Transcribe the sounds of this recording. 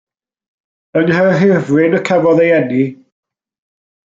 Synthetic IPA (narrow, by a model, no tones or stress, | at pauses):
əŋhɛrɦɪvrɪnəkʰavɔðejɛni